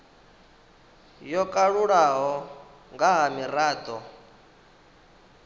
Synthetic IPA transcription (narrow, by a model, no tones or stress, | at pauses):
jɔkʼaɺuɺaɦɔ | ŋɡaɦamiɾaːd̪ɔ